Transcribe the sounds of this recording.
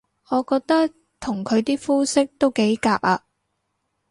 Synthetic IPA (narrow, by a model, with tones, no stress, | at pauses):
ɔː˨˧kɔː˧k̚t̪ɐ˥k̚ | t̪ʰʊ˨˩ŋkʰɵ˨˧ɥt̪iː˥fuː˥sɪ˥k̚t̪o˥wke˨˥jkaː˧p̚aː˧